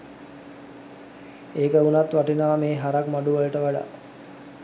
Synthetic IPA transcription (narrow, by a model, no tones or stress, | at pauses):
eːkəunat̪ʋaʈinaːmeːɦaɾakmaɖuʋələʈəʋaɖa̰